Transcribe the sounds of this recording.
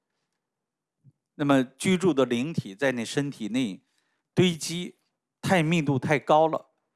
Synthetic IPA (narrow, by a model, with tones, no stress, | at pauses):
na˥˩mə˩t͡ɕy˥ʈ͡ʂu˥˩d̪ə˩li˧˥ŋt̪ʰi˨˩t͡sa˥˧ɪna˥˩ɪʂə˥nt̪ʰi˨˩ne˥˩ɪ | t̪we˥ɪt͡ɕi˥ | t̪ʰa˥˧ɪmi˥˧t̪u˥˧t̪ʰa˥˩ɪkɑ˥ʊlə̰˨